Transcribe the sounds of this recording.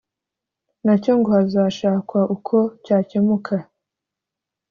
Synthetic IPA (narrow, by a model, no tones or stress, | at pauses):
naco̞ŋɡo̞hazaːʃaːkwaʔukʰo̞caːce̞mukʰa